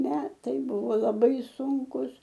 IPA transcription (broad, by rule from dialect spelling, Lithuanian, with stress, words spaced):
ˈmʲæːtɐɪ ˈbʊʋoː lˠɐˈbɐɪ ˈsʊŋkʊs